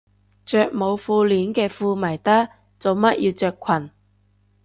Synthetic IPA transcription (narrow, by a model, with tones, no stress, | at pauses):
t͡ʃœː˨k̚mo˨˧wfuː˧liː˨˥nkɛː˧fuː˧mɐ˨˩jt̪ɐ˥ | t͡so˨wmɐ˥t̚jiː˧wt͡ʃœː˨˧kʷʰwɐ˨˩n